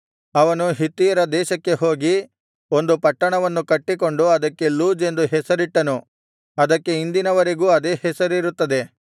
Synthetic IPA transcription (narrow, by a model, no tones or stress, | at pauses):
ɐʋɐnuɦit̪ːijɐɾɐd̪ɛːʃɐkːe̞ɦo̞ːɡi | o̞nd̪upɐʈːɐɳɐʋɐnːukɐʈːiko̞ɳɖuɐd̪ɐkːe̞luːd͡ʒe̞nd̪uɦɛsɐɾiʈːɐnu | ɐd̪ɐkːe̞ind̪inɐʋɐɾe̞ɡuːɐd̪e̞ːhɛsɐɾiɾut̪ːɐd̪e̞